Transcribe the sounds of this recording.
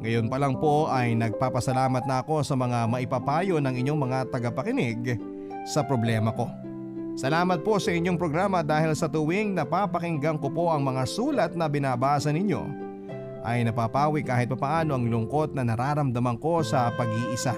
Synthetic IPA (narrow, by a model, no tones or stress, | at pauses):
ŋɐjo̞npɐlɐŋpo̞ʔɐjnɐɡ̚paːpɐsɐlaːmɐt̪nɐʔɐko̞sɐmɐŋamɐʔɪpapaːjo̞nɐŋɪɲoŋmɐŋat̪ɐɡɐpɐkɪnɪɡ | sɐpɾo̞blɛːmɐko̞ | sɐlaːmɐt̪̚po̞sɐʔɪɲːoŋpɾoɡɾaːmɐd̪aːhɪlsɐt̪ʊwiŋnɐpapɐkɪŋɡɐŋko̞po̞ʔɐŋmɐŋasuːlɐt̪̚nɐbɪnaːbaːsɐnɪɲo̞̰ | ʔɐjnɐpapaːwikaːhɪt̪̚pɐpɐʔaːno̞ʔɐŋlʊŋko̞t̪̚nɐnɐɾaɾɐmd̪ɐmɐŋko̞sɐpɐɡiːʔɪsa